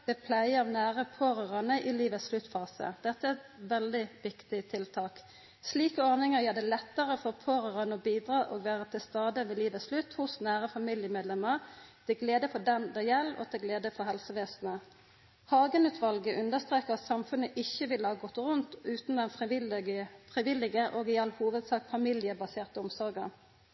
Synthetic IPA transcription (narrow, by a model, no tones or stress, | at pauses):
d̪̥ɛpʰlæɪəɑʋnæːɾəpʰoːɾəʁɑnəʔɪliːʋət̪sslʉt̪fɑːsə̰d̪̥ɛt̪ːəæʁɛt̪ʋɛld̪ɪʋɪkt̪ɪt̪ʰɪlt̪ʰɑːk | sliːkəɔʁnɪŋəʁjeːd̪ɛlɛt̪ːəʁəfɔʁpʰoːɾəʁɑnəɔbiːd̪ɾɑːʔoːɡʋæːʁət̪ʰɪlst̪ɑːd̪əmɛliːʋəslʉt̪ːhʊsnæːʁəfɑmiljəmeːd̪lɛmːəʁt̪ʰɪɡleːd̪əfɔd̪ɛnd̪ɑjɛlːo̰ːt̪ʰɪɡleːd̪əfɔɦɛlsəʋeːsn̩ə | hɑːɡənʉːt̪ʰʋɑlɡəʔʉnəst̪ʁeːkəʁɑt̪sɑmfʉnəʔɪçːəʋɪləhɑːɡɔt̪ʁʊnt̪ʉːt̪nd̪ɛnf | fʁɪʋɪlːɪɡəʔoːɡɪɑlːhuːʋəd̪sɑːkfɑmɪljəbɑseːʁt̪əʊmsɔɾɡə